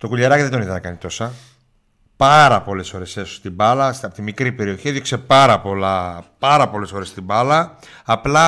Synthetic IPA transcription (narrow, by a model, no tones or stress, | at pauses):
t̪o̞kuʎɐɾɐciðend̪niðɐnɐkɐnit̪o̞sɐ | pɐɾɐpo̞le̞sfo̞ɾe̞seso̥st̪ibɐlɐsɐpot̪imikɾipe̞ɾio̞çieðjokse̞pɐɾɐpo̞lɐpɐɾɐpo̞le̞sfo̞ɾe̞st̪ibɐlɐː | plɐ